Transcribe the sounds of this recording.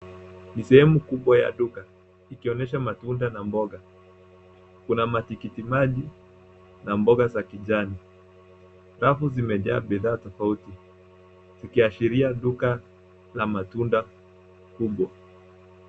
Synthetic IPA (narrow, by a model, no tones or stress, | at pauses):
nisɛhɛmukuɓwaja̰ɗuka | ikiɔnɛʃ̬amatundanambɔɠa | kunamatikitimaʄi | nambɔɠazakiʄani | ɾafuzimɛʄa̰ːɓiðaːtɔfauti | z̥ikiaʃiɾiaɗuka | lamatunda | kuɓwa